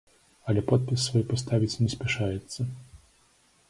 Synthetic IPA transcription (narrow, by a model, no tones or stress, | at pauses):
ɐlʲɛpɔt̪̚pʲisːvɔjpɔst̪avʲit͡sʲnʲɛsʲpʲɛʂajɛt̪sːɐ